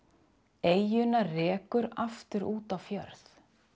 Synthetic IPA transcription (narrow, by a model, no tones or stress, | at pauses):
ejjʏnarɛːkʏɾaft̪ʏɾʔuːt̪awfjœ̰ɾθ